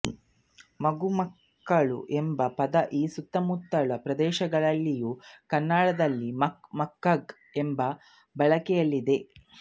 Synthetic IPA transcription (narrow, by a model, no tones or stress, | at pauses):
mɐɡumɐkː | ɐɭṵʔembɐpɐd̪ɐʔiːsut̪ːɐmut̪ːɐɭɐpɾɐd̪ɛːʃɐɡɐɭɐlːijukɐnːaːɽɐd̪ɐlːimɐmɐkːɐɡ | embɐ | bɐɭɐkɛjɐlːid̪e̞